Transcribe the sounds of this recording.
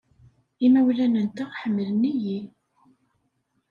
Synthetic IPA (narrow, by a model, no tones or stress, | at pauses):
imæwlænənt̪aʁħəmːələniji